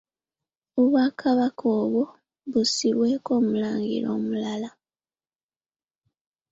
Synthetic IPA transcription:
oβwaːkʰaβakʰo̞ːβwo | βusiβwe̞ːko̞ːmulaːŋɡḭɾo̞̰ːmulala

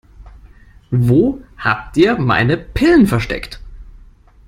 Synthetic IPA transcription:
voːha̰ːp̚tʔiːɐma̰ɪnəpʰɪlən̩fɛɐʃtɛ̰kt

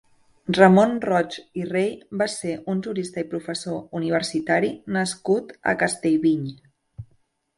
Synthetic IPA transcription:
rəmonrɔt͡ʃirejbaseʔunʲʒuɾist̪əipɾufəsouniβ̞əɾsit̪aɾinəskut̪ə̰kəst̪eʎβiɲ

